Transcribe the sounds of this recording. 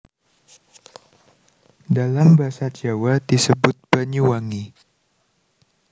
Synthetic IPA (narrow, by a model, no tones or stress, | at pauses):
dalambaasad͡ʒawadisəbʊt̪̚b̥aɲuwaŋi